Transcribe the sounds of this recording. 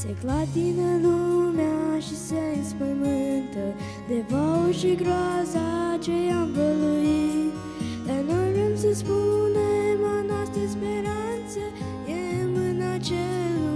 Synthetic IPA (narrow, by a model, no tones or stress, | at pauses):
sḛklat̪inəlumaʃiseinspəmɨnt̪ə | d̪evaʃiɡɾɔzat͡ʃejamvəlui | d̪anojvemsəspunemanɔst̪ɾəspeɾant̪sə | emɨnat͡ʃelu